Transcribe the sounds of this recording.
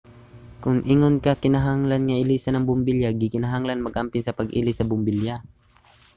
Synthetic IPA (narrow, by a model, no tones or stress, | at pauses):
kʊŋʔiŋonkɐkɪnɐɦaŋlanŋɐʔɪlisɐnɐŋbʊmbiljaɡɪkɪnɐɦaŋlanmɐɡʔampɪnsɐpɐɡʔḭlɪsɐbʊmbɪlja